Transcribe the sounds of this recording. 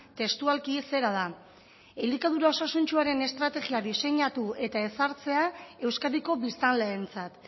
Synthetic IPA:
t̪e̞st̪ualkise̞ɾað̞a | elikaðuɾao̞sasunt͡ʃuaɾe̞ne̞st̪ɾat̪e̞ɣiaðise̞ɲat̪ue̞t̪ae̞saɾt͡se̞ae̞wskaðiko̞βist̪anleːnt͡sat̪

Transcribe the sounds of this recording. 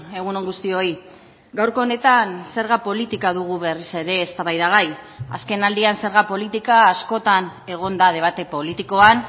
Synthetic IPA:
e̞ɣ̞unoŋɡust̪io̞i | ɡawɾko̞ːne̞t̪anse̞ɾɣ̞apo̞lit̪ikaðuɣ̞uβe̞rise̞ɾe̞ːst̪aβajðaɣ̞aj | a̰ske̞nald̪ianse̞ɾɣapo̞lit̪ikaːsko̞t̪ane̞ɣ̞o̞nd̪aðe̞β̞at̪e̞po̞lit̪iko̞an

